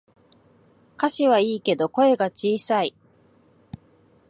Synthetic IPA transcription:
kaɕiβaiːke̞d̪o̞ko̞e̞ɡat͡ɕiːsai

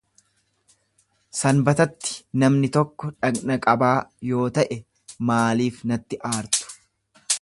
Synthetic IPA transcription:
sɐnbɐt̪ɐt̪ːɪ̥nɐmnɪt̪ɔkːɔᶑɐɡnɐkʼɐbaːjo̞ːt̪ɐʔɛ | maːliːfnɐt̪ːɪʔaːɾt̪ʊ̥

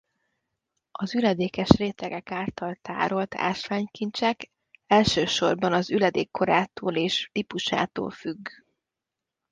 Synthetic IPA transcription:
ɒzylɛd̪eːkɛʃreːt̪ɛɡɛkaːlt̪ɒlt̪a̰ːɾo̞lt̪ʰa̰ːʃʋaːɲkint͡ʃɛk | ɛlʃøːʃo̞rbɒnɒzylɛd̪eːkːo̞ɾaːt̪oːleːʃt̪ipuʃa̰ːt̪o̰ːlfyɡː

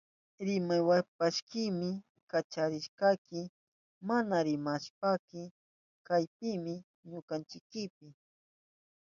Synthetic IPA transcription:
ɾɪmajwap̚aʃkɪmɪ | kat͡ʃaɾɪʃkakɪ | manaɾɪmaʃpakɪ | kajpɪmɪ | ɲokant͡ʃɪkɪpɪ

